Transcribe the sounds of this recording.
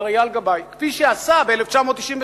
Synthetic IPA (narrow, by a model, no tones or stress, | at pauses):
ʁajalɡabajkfiʃeasabeeleft͡ʃamot̪ːiʃimv